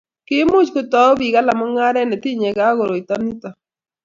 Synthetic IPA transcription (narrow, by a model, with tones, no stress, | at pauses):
kɪ˦mʊ˦t͡ʃko˨t̪ɔ˦bi˨ɡa˦la˨mɔ˦ŋa˦ɾɛ˦nɛ˨t̪i˦ɲɛ˨ɡa˨˦ɡo˨ɾo˨i˨t̪ɔ˦ni˦t̪ɔ˨